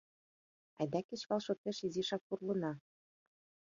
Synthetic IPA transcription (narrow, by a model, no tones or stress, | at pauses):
æ̰d̪ækɘ̆t͡ɕβɑlˠʃŏt̪eʃiziʃɑk̚purlɤ̆nɑ